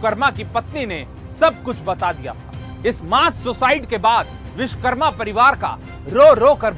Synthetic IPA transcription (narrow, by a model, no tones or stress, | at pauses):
kəɾmakipɐt̪nine | sɐb̚kʊt͡ʃʰbɐt̪ad̪ija̰t̪ʰa | ɪsmaːssosaːɪɖkebaːd̪ | ʋɪʃkəɾmapɐɾɪʋaːɾka̰ | ɾoːɾoːkɐɾb